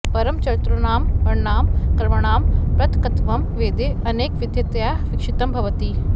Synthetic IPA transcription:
pɐɾəmt͡ʃɐɾt̪ɾonaːmpɐɾnaːmkɐɾməɽ̃aːmpɾɐt̪kɐt̪ʋɐmʋeːd̪eːɐneːkʋɪd̪jɐt̪jaːʋɪkʃɪt̪ɐmbʱɐʋət̪iː

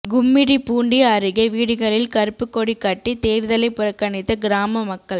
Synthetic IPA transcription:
ɡʊmːɪɽipuːɳɖiaːɾɯɣɐʋiːɽɯɣɐɭɪlkɐɾɯpːɯkːoːɽikːɐʈːit̪eːɾðɐlɐɪpːʊɾɐkːɐɳɪt̪ːɐɡɪɾaːmɐmɐkːɐɭ

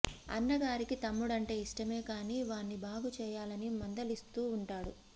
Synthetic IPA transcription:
ɐ̰nːɐɡaːɾikit̪ɐmːuɽɐɳʈe̞ːiʂʈɐme̞ːkaːniːʋaːnːibʱaːɡut͡ʃɛːjaːlɐnimɐnd̪ɐlist̪uːɳʈaːɽu

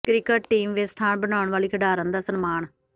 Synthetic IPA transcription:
kɾɪkəʈʈiːmʋeːst̪ʰaːnbənaːʊɳʋaːliːkʰəɖaːɾənd̪aːsənmaːɳ

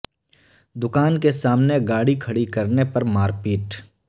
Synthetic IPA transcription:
d̪ʊkaːnkesaːmneɡaːɽikʰɐɽikɐɾnepɐɾmaːɾpiːʈ

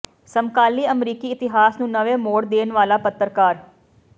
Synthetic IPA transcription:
səmkaːliːəmɾiːkiːɪt̪ɪɦaːsnũːnəʋẽːmoːɽd̪eːnʋaːlaːpət̪ːəɾkaːɾ

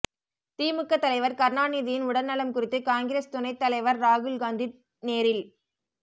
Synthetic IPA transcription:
t̪iːmɯkːɐt̪ːɐlɐɪʋɐɾkɐɾnaːniːðɪjɪnʊɽɐnnɐɭɐmkʊrɪt̪ːɯkaːŋɡɪɾeːst̪ʊnɐɪt̪ːɐlɐɪʋɐɾːaːɣɯlɡaːnd̪i | neːɾɪl

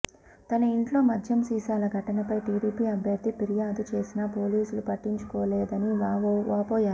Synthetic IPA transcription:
t̪ɐnɐiɳʈlo̞ːmɐd̪ʱjɐmsiːsaːlɐɡʱɐʈɐnɐpɐjʈiːɽiːpiːɐbʱjɐɾd̪ʱːipiɾijaːd̪ut͡ʃe̞ːsinɐpo̞ːliːsulupɐʈːiɲt͡ʃu̥koːleːd̪ɐniʋaːʋaːpoːjaːɾu

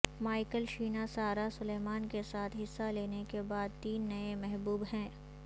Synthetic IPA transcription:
maːɪkəlʃiːnasaːɾasʊleːmaːnkesaːt̪ʰɦɪsːaleːnekebaːd̪̚t̪iːnːɐemɛɦbuːbɦɛ̃ː

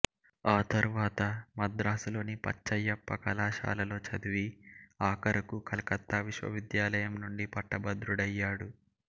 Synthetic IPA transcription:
aːt̪ɐɾuʋaːt̪ɐmɐd̪ɾaːsulo̞ːnipɐ̰t͡ʃːɐjːɐpːɐkɐlaːʃa̰ːlɐlo̞ːt͡ʃɐd̪uʋiaːkɐɾɐkukʰɐlɐkɐt̪ːaʋiʃʋɐ̰ʋid̪jaːlɐjɐmnuɳɖipɐʈːɐbɐd̪ɾuɽɐjːaːɽu

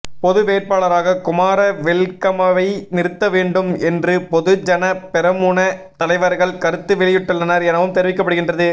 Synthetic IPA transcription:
pɔðɯʋeːrpaːɭɐɾaːɣɐkʊmaːɾɐʋɛɭkɐmɐʋɐɪnɪɾɯt̪ːɐʋeːɳɖɯmɛndrɯpɔðɯd͡ʒɐnɐpɛɾɐmuːnɐt̪ɐlɐɪʋɐɾɣɐɭkɐɾɯt̪ːɯʋɪɭɪjɪʈːɯɭːɐnɐɾɛnɐʋɯmt̪ɛɾɪʋɪkːɐpːɐɽɯɣɪndrɐðɯ

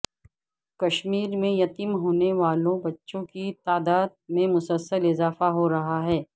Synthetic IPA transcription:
kɐʃmiːɾmẽjɐt̪iːmɦoːneʋaːlõbɐtːʃõkit̪aːd̪aːd̪̚mẽmʊsəlsəlɪzaːfaɦoɾɐɦaɦɛː

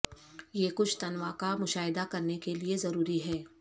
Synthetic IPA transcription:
jekʊt͡ʃʰt̪ɐnʋakamʊʃaːɦɪd̪akɐɾnekeliezɐɾuːɾiɦɛː

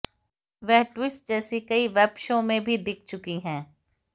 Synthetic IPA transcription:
ʋɛɦʈwɪsʈ̚d͡ʒɛːsekɐiʋɛːbʃõmẽbʱid̪ɪk̚ʰt͡ʃʊkiɦɛ̃ː

